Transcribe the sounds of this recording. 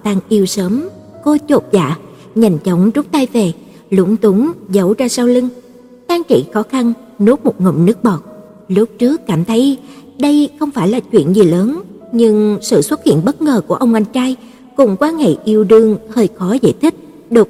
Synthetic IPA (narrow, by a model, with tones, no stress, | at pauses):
t̪a˧ŋʔi˧əwsəː˨˦m | ko˧t͡ɕo˨˩t̚za̰ː˧˨ | ɲa˨˩jŋ̟t͡ɕɔ˨˦wŋ͡mzʊ˦˥k͡p̚t̪aː˧jve˨˩ | lu˨˦əŋt̪ʊ˨˦ŋ͡mzə˨˦wzaː˧saː˧wlï˧ŋ | t͡ɕaː˧ŋt͡ɕḭ˧˨xɔ˨˦xa˧n | no˨˦˥t̚mo˨˩t̚ŋə̰˧˩wŋ͡mnɨ˦˥ək̚ɓɔ˨˩t̚ | lʊ˦˥p̚t͡ɕɨ˦˥əkːaː˧˩mt̪ʰə˨˦j | ɗə˧jxə˧wŋ͡mfaː˧˩jlaː˨˩t͡ɕwḭ˧˨ənzi˨˩ləː˨˦nɲɨ˧ŋsɨ̰˧˨swə˦˥t̚hḭ˧˨ənɓə˦˥t̚ŋəː˨˩ku˧˩əʔə˧wŋ͡mʔa˧jŋ̟t͡ɕaː˧j | kʊ˨˩ŋ͡mkwaː˧nhḛ˧˨ʔi˧əwɗɨ˧˩əŋhəː˧jxɔ˨˦za̰ː˧˨jt̪ʰï˦˥k̟̚ | ɗo˨˩